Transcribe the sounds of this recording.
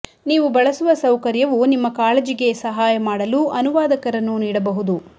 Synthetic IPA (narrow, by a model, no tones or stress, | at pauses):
niːʋubɐɭɐsuʋɐsɐwkɐɾjɐʋunimːɐkaːlɐd͡ʒiɡe̞sɐɦaːjɐmaːɽɐluʔɐnuʋaːd̪ɐkɐɾɐnːuniːɽɐbɐɦud̪u